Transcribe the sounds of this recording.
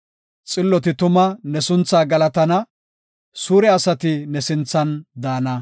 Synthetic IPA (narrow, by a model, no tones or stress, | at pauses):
t͡sʼɪlːɔt̪ɪt̪ʊmɐnɛsʊnt͡saːɡɐlɐt̪ɐnɐ | suːɾɛɐsɐt̪ɪnɛsɪnt͡sːɐnd̪aːnɐ